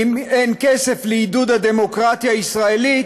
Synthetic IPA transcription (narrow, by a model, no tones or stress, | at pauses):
menkɛsefliid̪ud̪ad̪emokɾat̪jaisʁaeli